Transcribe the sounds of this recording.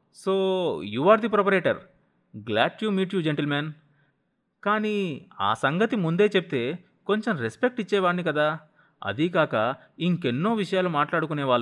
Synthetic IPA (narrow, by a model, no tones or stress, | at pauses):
soːjuːʋaːɾd̪ipɾop̬ɐɾeːʈɐɾ | ɡlaːʈjuːmiːʈjuːd͡ʒeɳʈelmaːn | kaːnia̰ːsɐŋɡɐt̪imund̪e̞ːt͡ʃep̚it̪e̞ː | ko̞ɲt͡ʃemɾespek̚ʈit͡ʃːɛːʋaːɳːikɐd̪aː | ɐ̰d̪ikaːkɐ | iŋkenːo̞ːʋiʂɐjaːlumaːʈlaːɽukunɛːʋaːɭːu